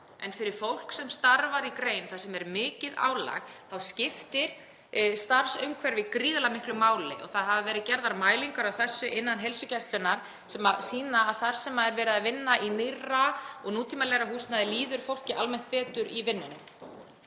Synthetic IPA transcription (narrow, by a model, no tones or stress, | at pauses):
ɛnfɪɾɪɾ̥fowl̥ksɛmst̪aɾvaɾikɾeːjnθasɛmɛɾmɪːcɪða̰ːwla̰ɣθawscɪft̪ɪɾ̥ | st̪aɾsʏmkʰvɛɾvɪkɾiːðʏlamɪhklʏmaːwlɪ̰ʔɔ̰ɣθaðɦavavɛːɾɪðcɛɾðaɾmaːjliŋkaɾawθɛsːʏʔɪnːanɦelsʏcɛst̪lɪnːaɾ̥ | sɛmasiːnaːðθaɾ̥sɛmaðɛɾvɛːɾɪðavɪnːaʔinɪraɔɣnuːt̪ʰimalɛɣɾaɦuːst̪naðɪliːðʏɾ̥fowl̥cɪʔa̰lmɛn̥t̪̚pɛːt̪ʏɾivɪnːʏnm